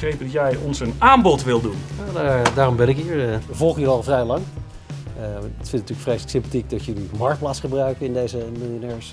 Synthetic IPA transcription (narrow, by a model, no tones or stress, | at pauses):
ejtədɔtjɛjɔnsənaːmbɔtʋɪlˠdunadadaːrɔmbɛnɪkɦiːɹəvɔlˠχjəiɑlˠvrɛjlɑŋ | tfɪ̃ntnətyːləkfrejsləksɪmpatik̚dɑtjɵlimɑɹkt̚plaːtsχəbrœɥkənɪndejzəmɪlˠjonɛːɹs